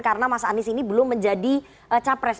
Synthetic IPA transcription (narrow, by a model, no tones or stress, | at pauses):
kaɾənamasaːnɪsinibəlʊŋməɲd͡ʒadi | ʔət͡ʃapɾɛs